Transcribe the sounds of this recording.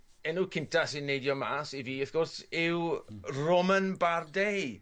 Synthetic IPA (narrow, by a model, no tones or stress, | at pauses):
ɛnuːkʰɪntʰasɪnːejdjɔmaːsiviːəθɡ̥ʊrsɪwrɔmənbardej